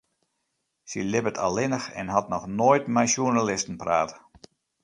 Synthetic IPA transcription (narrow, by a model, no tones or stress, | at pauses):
silɪbətʰa̰lˠɪnəxɛ̰nɦatnɔxnoːjtmɛjʃjunalɪstən̩praːt